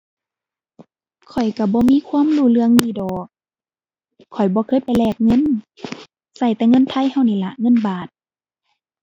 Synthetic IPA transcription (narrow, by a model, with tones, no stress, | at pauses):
kʰɔ˨˩jka˧˩bɔː˧˦miː˧˥˨kʰwuː˧˥˨mluː˧˨lɯ˧əŋniː˧˩˨dɔː˨˩k̚ | ɔ˨˩jbɔː˧˦kʰɤː˧˥˨jpa˨jlɛː˧˩k̚ŋɤ˧˥˨n | sa˧˩jt̪ɛː˧ŋɤ˧˥˨nt̪ʰa˧˥˨jha˧˩wniː˧˩˨la˧ŋɤ˧˥˨nbaː˨˩t̪̚